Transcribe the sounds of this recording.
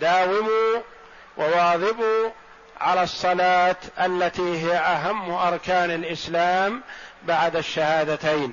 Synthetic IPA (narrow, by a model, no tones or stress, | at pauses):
d̪aːwɪmuː | wʔɪwɑːðˤɪbu | ʕalasˤːɑlaːt̪ʔalːat̪iːɦɪjaʔaɦamːʔɑɾˤkaːnalʔɪslaːmbaʕd̪aʃːahaːd̪at̪ajn